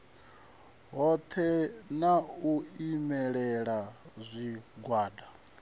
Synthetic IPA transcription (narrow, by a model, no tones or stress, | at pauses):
ɦɔt̪ʰɛnauimɛɺɛɺazʷiɡwaːda